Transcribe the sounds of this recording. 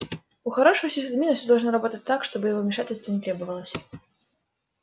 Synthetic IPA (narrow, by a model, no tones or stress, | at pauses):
uxaɾɔʂujsʲisʲud̪mʲinɐsʲud̪ɐlˠʐnɨɾabɔt̪ət͡s̚ʲt̪ːakʂt̪ɔbɨjaɣɔmʲɛʂatʲɪlʲst̪vɐnʲɛt̪ɾɛbɐvəlˠəsʲɐ